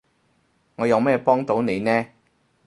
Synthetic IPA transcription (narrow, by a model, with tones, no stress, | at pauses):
ŋɔː˨˧jɐ˨˧wmɛː˥˩pɔː˥ŋt̪o˨˥wne˨˧jnɛː˥